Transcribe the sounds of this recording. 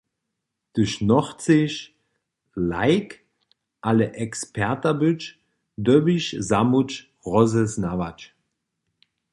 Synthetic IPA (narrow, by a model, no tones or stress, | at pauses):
d̥ʊʃnɔχt͡seʃ | laɪk | ʔaləʔɛkspʰɛɐtɐbʏt͡ʃ | døbiʃzamut͡ʃ | ʁɔzəsnavat͡ʃ